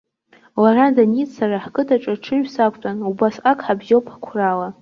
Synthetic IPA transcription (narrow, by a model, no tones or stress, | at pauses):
laradanisaraħkʼɨtʰaʈ͡ʂʼaʈ͡ʂʰɨʒᶣsakʷʰtʷʼanubasakʰʼħabzowpʰḁkʷʰrala